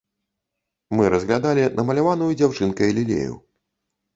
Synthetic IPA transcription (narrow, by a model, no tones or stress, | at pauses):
mɨɾɐzɣlʲad̪alʲinɐmɐlʲavanujud͡zʲawt͡ʂɨnkɐjɐlʲilʲḛjṵ